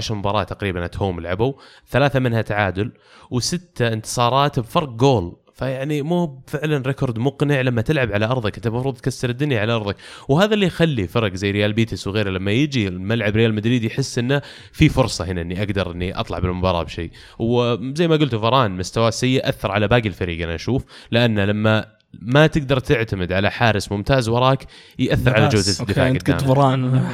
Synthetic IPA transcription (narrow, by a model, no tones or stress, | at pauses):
aʃɾmʊbɑːɾˤɑːt̪ːaqɾiːbanʔat̪huːmɪlʕabu | θalaːθamɪnhat̪aʕaːd̪ʊl | wsɪt̪ːaɪnt̪ɨ̥sˤɑːɾˤɑːt̪bfɑɾˤq̚ɡoːl | fajaʕnimuːfɪʕlanɾɪkoɾˤd̪mʊqnɪʕlamːat̪ɪlʕabʕalaʔɑɾˤðˤɑkʔɪnt̪ːamɑfɾuːðˤt̪̚kasːɑɾɪd̪ːʊnjaʕalaʔɑɾˤðˤɪkwhaːðalːiːxalːifɑɾˤɡzajːɾɪjaːlbiːt̪ɪswɣeːɾalamːajɪd͡ʒimalʕabɾɪjaːlmad̪ɾiːd̪ijħɪsːʔɪnːa | fifʊɾsˤɑhɪnaʔɪnːiʔaɡd̪ɑɾˤʔɪnːiʔɑ̰t̪ˤlɑ̰ʕbɪlmʊbɑːɾˤɑ̰ːbʃḛː | wzajːmaɡʊlt̪uvɑɾˤɑːnmʊst̪awaːsajːɪʔʔaθːɑɾˤʕalabaːɡɪlfaɾiːɡanaʔaʃuːflɪʔanːalamːa | mat̪ɪɡ̚d̪ɑɾˤt̪ɪʕt̪amɪd̪ʕalaħaːɾɪsmʊmt̪aːzwɑɾˤɑːkjʔaθːɪɾˤʕalad͡ʒawːzɪd̪ːɪfa̰ːɡd̪aːmɾˤɑːn